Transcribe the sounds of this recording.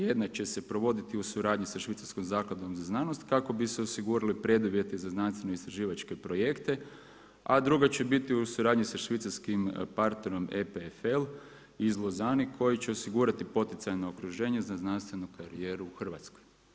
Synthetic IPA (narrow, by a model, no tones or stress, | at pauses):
je̞d̪nat͡ʃe̞se̞pɾo̞ʋo̞d̪it̪iusuɾaːd̪ɲisaʃʋit̪saɾskomzaːklˠad̪o̞mzaznaːno̞st̪kako̞biseo̞siɡuːɾalipɾe̞d̪uʋje̞t̪ezaznanst̪ʋe̞no̞ist̪ɾaʒiːʋat͡ʃke̞pɾo̞je̞kt̪e̞ | ad̪ɾuɡat͡ɕe̞bit̪iusuɾaːd̪ɲisaʃʋit̪saɾskimpaɾt̪ne̞ɾo̞mepefel | izlˠozanikʰo̞jit͡ʃe̞o̞siɡuːɾat̪ipo̞t̪it̪sajno̞okɾuʒe̞ːɲezaznanst̪ʋe̞nukʰaɾije̞ɾuxr̩ʋat̪sko̞j